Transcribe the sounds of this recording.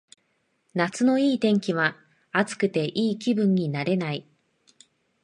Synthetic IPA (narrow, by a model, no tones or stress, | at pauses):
nat͡sɨno̞iːt̪ẽ̞ŋkʲiβ̞a | at͡sɨ̥kɯ̟t̪e̞ʔiːkʲibɯ̟̃ɲ̟ːinaɾe̞nai